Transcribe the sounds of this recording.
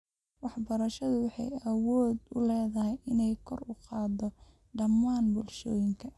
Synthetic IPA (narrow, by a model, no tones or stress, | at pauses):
wɑħbɐɾɐʃɐðʊwɑħɑ̰jɐwɔːd̪ʊlɛːðɐɦɛjʔɪnɛjkʰɔrʊqɑːd̪ɔ | ɖɐmːaːnbʊlʃɔːjɪŋkʰɐ